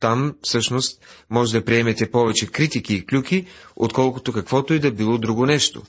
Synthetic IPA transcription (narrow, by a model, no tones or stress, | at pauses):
t̪amfsɤʃnost̪̚mɔʒɛd̪ɐpɾiɛmɛt̪ɛpɔvɛt͡ʃɛkɾit̪ikiːklʲukio̰t̪kɔlˠkʊt̪okɐkvɔt̪oɛd̪ɐbilˠɔd̪ɾuɡonɛʃt̪o̰